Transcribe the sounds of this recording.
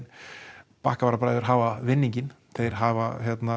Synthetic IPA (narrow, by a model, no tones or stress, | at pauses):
n | pa̰ːhkavaɾapɾajðʏɾ̥ɦaːvavɪnːiɲcɪn | θejɾ̥ɦavaçjɛt̪na